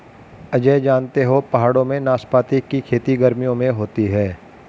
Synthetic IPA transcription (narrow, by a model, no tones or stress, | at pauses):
ɐd͡ʒed͡ʒaːnt̪eɦopɐɦaːɽõmẽnaːspaːt̪ikːikʰeːt̪iɡəɾmijõmẽɦoːt̪iɦɛː